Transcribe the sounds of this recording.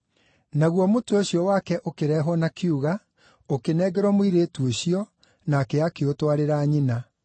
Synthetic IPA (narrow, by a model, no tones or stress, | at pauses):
naɣwɔmotooɕiɔwakɛʔokeɾɛːɦɔnakeuɣa | okenɛːɡɛɾɔmowiɾeːtuoɕiɔ | nakɛakeotwaɾeɾaːɲina